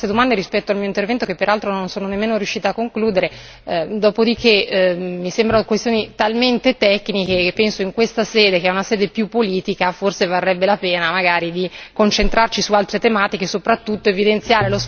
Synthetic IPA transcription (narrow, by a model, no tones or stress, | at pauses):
ed̪omand̪eɾispɛt̪ːoalmioint̪̬ervɛnt̪okepːeɾalt̪ɾononsoːnonemːeːnoɾjuʃːiːt̪akːoŋkluːd̪eɾe | d̪ɔːpod̪ikemisembɾanokwest̪joːnit̪alment̪et̪ɛkːnikepɛnsoiŋkwest̪asɛːd̪ekeɛunasɛːd̪epjupːoliːt̪ikaforsevarːɛbːelapɛːnamaɡaːɾid̪ikont͡ʃent̪ɾart͡ʃisualt̪ɾet̪emaːt̪ikesopɾat̪ːut̪ːoevid̪ent̪sjaːɾelos